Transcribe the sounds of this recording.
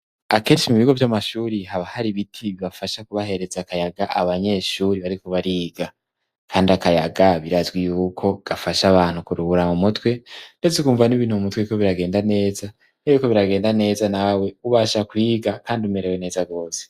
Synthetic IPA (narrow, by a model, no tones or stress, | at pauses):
ake̞ːʃimuβiɡo̞vjamaʃuːɾihaβahaɾiβitʰiβiβafaʃakuβahe̞ɾe̞zakajaɡaʔaβaɲe̞ːʃuːɾiβaɾikoβaɾiːɡa | kʰaːndiakajaɡaβiɾazɡwijuːkʰo̞ɡ̥afaʃaβaːn̥hukuɾuuɾamumutwe̞nde̞t͡sekuːɱvaniβiːn̥uumutwekoβiɾaɡe̞ːndane̞ːza | najiko̞βiɾaɡe̞ːndane̞ːzanawe̞uβaːʃakwiːɡakaːndiume̞ɾewene̞ːzaɡo̞ːse̥